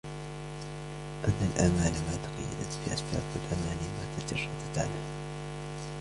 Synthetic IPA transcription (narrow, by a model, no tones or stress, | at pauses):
ʔanːalʔamaːlamaːt̪ɑqɑ̰jːa̰d̪at̪fḭːʔasba̰ːbwalʔamaːnɪmaːt̪ad͡ʒɑrˤːɑt̪at̪aaʕlal